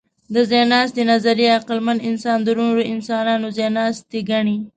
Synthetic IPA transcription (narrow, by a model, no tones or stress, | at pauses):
d̪əzenɑst̪enazaɾeaqɪlmanɪnsɑnd̪əɾoɾoʔɪnsɑnɑnozenɑst̪eɡaɳi